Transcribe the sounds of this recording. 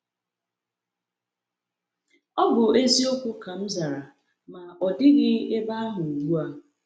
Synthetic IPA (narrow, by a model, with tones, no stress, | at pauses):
ɔ˦bʊ˨e˦zi˦o˦kʷu˦ka˨m̩˦za˨ɾa˨ | ma˨ɔ˨dɪ˦ɣɪ˦e˦ba˦a˦ɦʊ˨u˨ɡ͡bu˦a˦